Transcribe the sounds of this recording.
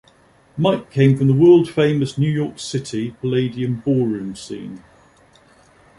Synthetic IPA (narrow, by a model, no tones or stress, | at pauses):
maɪkʰẽɪ̃ɱfɹə̃mðəwɜːlˠd̥fẽɪ̃məsnjʉːjɔˑksɪtʰɪpʰəleɪdiə̃mbɔːɹʉ̃ːmsḭ̃ːn